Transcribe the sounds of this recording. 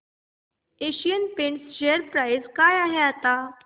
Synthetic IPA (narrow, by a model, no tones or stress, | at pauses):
eɕijənpẽɳst͡ɕeəɾpɾajzkajaɦeat̪a